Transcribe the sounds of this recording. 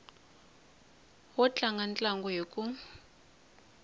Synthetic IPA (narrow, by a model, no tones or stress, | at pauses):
wɔt͡ɬʼaŋɡant͡ɬʼaŋɡɔjekʼu